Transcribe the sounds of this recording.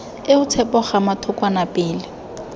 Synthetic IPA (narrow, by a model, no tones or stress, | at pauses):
ɪʊt͡sʰɛpɔχamatʰʊkʼwanapʼɪːlɪ